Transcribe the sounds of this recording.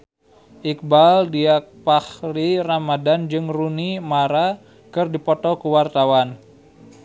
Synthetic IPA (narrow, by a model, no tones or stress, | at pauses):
ʔik̚baldiak̚pahriramadand͡ʒɨŋrunimaɾa | kɨrdipɔt̪ɔkuwart̪awan